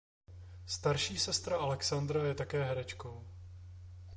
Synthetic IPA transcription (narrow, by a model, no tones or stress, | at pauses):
st̪aɾʃiːsɛst̪ɾaʔalɛksand̪ɾajɛt̪akɛːɦɛɾɛt͡ʃko̞w